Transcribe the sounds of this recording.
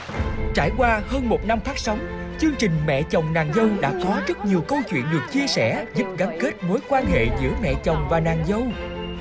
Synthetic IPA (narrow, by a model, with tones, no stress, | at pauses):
t͡ɕa̰ː˧˩jkwaː˧həː˧nmo˨˩t̚na˧mfaː˦˥k̚sɔ˨˦wŋ͡mt͡ɕɨ˧əŋt͡ɕï˨˩ŋ̟mɛ̰˧˨t͡ɕɔ˨˩wŋ͡mnaː˨˩ŋzə˧wɗa̰ː˧˥kɔ˨˦zə˦˥t̚ɲi˨˩əwkə˧wt͡ɕwḭ˧˨ənɗɨ˨˩k̚t͡ɕi˧əsɛ˧˩zu˦˥p̚ɣaː˨˦nke˦˥t̚mo˨˦jkwaː˧nhḛ˧˨zɨ̰˧˥əmɛ̰˧˨t͡ɕɔ˨˩wŋ͡mvaː˨˩naː˨˩ŋzə˧w